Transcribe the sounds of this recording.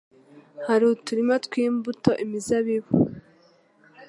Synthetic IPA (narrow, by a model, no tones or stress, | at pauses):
haɾutuɾimatkwiːmbuto̞ʔimizaβiβṵ